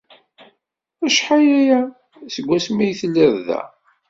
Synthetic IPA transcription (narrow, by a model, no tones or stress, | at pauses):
æʃħajæjæ | səɡʷːæsmijθəlːəɾðæ̰